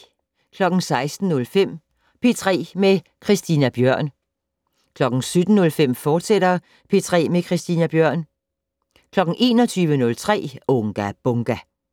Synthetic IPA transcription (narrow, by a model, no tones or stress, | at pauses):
kʰlɒ̽ɡ̥n̩sɑ̈ɪsd̥n̩ːɔ̽lfem̰ | pʰe̝t͡sʰʁɛ̰ːme | kʰʁisd̥iːnæb̥jɶɐ̰n | kʰlɒ̽ɡ̥n̩sød̥n̩ːɔ̽lfem̰fɒːd̥seɾ̥ɐ | pʰe̝t͡sʰʁɛ̰ːmekʰʁisd̥inæb̥jœɐ̰n | kʰlɒ̽ɡ̥n̩ʔe̝̰ːnɒt͡sʰyːʋənɔ̽lt͡sʰʁɛ̰ːɔŋɡ̥æb̥ɔŋɡ̥æ